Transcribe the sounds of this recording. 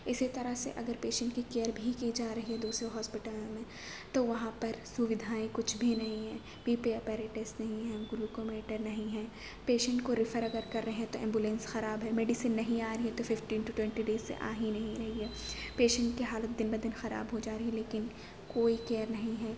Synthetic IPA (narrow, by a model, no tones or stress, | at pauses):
ɪsit̪ɐɾəɦsḛʔɐɡəɾpeːʃə̃ɳʈkikeːjəɾbʱikid͡ʒaːɾɐɦiɦɛd̪uːsɾeɦɔːspɪʈaːlõmẽ | t̪oʋɐɦãpɐɾsʊʋɪd̪ʱaːẽkʊt͡ʃʰbʱinɐɦĩɦɛ̃ː | piːpeɐpɛːɾɪʈesnɐɦĩɦɛ̃ɡʊlukoːmeːʈəɾnɐɦĩɦɛ̃ː | peːʃə̃ɳʈkoɾɪfəɾɐɡəɾkɐɾːɐɦeɦɛ̃t̪oʔɛ̃ːmbʊlẽnsxɐɾaːbɦɛmeːɖɪsənːɐɦĩaːɾɐɦiɦɛt̪ofɪfʈiːnʈuʈwɛ̃ɳʈiɖeːzːḛʔa̰ːɦĩnɐɦĩɾɐɦiɦɛːpeːʃə̃ɳʈ̚kiɦaːlət̪̚d̪ɪnbɐd̪ɪnxɐɾa̰ːbɦod͡ʒaːɾɐɦĩleːkɪn | koːikeːəɾnɐɦĩɦɛː